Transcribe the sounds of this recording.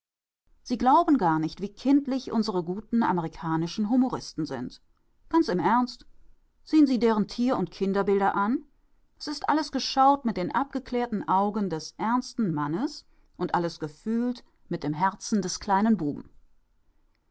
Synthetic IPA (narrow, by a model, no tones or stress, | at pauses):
z̥iːɡlaʊbn̩ɡaːɐnɪçtv̥iːkʰɪntlɪçʔʊ̰nzəʁəɡuːtn̩ʔa̰məʁ̞ikʰaːnɪʃn̩ɦumoʁɪstn̩zɪ̰nt | ɡ̥ant͡sɪmʔɛɐnst | z̥eːənziːdeːʁ̞əntʰiːɐʊntkʰɪndɐbɪldɐʔan | ʔɛsɪstʔa̰ləsɡ̥əʃaʊtmɪt̚d̥eːnʔa̰p̚ɡ̥əkleːɐtn̩ʔaʊɡəndɛsʔɛɐnstn̩manəs | ʔʊntʔaləsɡ̥əfyːlt | mɪt̚d̥eːmɦɛɐt͡sn̩dɛskl̥aɪnənbuːbm̩